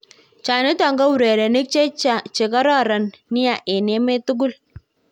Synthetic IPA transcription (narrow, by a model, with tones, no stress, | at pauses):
t͡ʃa˨nɪ˦tɔ˨ŋɡa˦wu˨ɾe˨ɾe˨ni˦k̚t͡ʃe˦˨t͡ʃe˨ka˦ɾɔ˦ɾa˨nːi˦ja˨ʔe˨ne˦me˦tu˦ɡu˦l